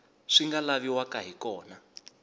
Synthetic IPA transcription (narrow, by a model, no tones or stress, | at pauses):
ʂiŋɡalaβiwakaɦikɔːna